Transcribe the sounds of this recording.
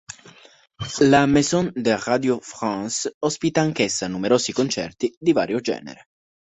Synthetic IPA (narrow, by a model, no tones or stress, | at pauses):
lamezɔnd̪erad̪jofɾansɔspit̪aːŋkesːanumeɾoːzikont͡ʃɛ̰rt̪id̪iva̰ːɾjod͡ʒɛ̰ːnḛɾe